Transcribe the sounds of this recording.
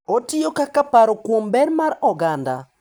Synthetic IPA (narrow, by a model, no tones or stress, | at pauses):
otɪjokakapaɾokwombɛnmaɾɔɡanda̰